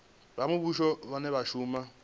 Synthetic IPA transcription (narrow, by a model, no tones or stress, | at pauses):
bamʊbuʃɔβanɛβaʃuːma